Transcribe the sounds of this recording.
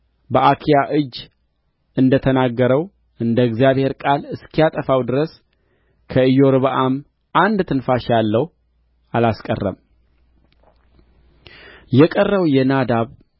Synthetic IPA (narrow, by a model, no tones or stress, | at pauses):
bəʔakʰijaʔɨd͡ʒː | ɨnd̪ət̪ʰənaɡːəɾəw | ʔɨnd̪əɨɡzijaβhe̞ɾkʼalɨskʰijat̪ʼəfawd̪ɨɾəs | kʰəɨjo̞ɾβəʔam | ʔand̪t̪ʰɨnfaʃalːəhu | alaskʼə̰rːə̰m | jɛkʼərːəwjɛnad̪aβ